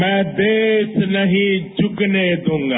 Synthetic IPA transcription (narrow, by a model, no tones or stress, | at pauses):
mɛ̃ːd̪eːsnɐɦĩd͡ʒʊkned̪ũːŋɡa